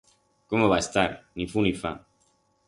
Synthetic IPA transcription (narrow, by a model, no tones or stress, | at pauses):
komoβaest̪aɾnifunifa̰